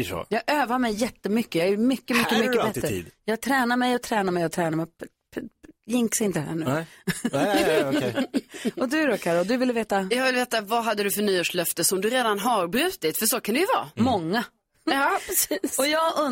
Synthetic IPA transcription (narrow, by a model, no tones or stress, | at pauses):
jɑːɡʔøːvaɾmɛjːɛt̪ːəmʏkːəjɑæɾmʏkːəmʏkːəmʏːəbɛt̪ːɾə̰ːd̪jɑːɡ̚t̪ʰɾɛːnamɛjɔt̪ʰɾɛːnaɾmɛjɔt̪ʰɾɛːnaɾmɛ | jɪŋksɪnt̪əhæ̰ːɳʉ̟ | ɔd̪ɵæɖɔkʰaɾald̪ɵvɪlːəveːt̪ajɑːɡvɪlveːt̪avaɦad̪ːəd̪ɵfœɳnyːoːʂlœft̪əsɔmd̪ɵɾeːd̪anɦaɾbɾʉ̟ːt̪ɪt̪fœʂokʰand̪ɛjɵvɑ̰ːmɔŋːa | pɾɛsiːsɔjɑːɡɵ